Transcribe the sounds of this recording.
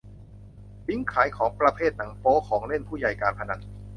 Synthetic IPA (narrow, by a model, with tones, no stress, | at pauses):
bi˦˥ŋkʰaː˩˦jkʰɔː˩˦ŋpɾa˧pʰeː˥˩t̪̚na˩˦ŋpoː˦˥kʰɔː˩˦ŋle˥˩npʰuː˥˩ja˨˩jkaː˧npʰa˧na˧˥t̚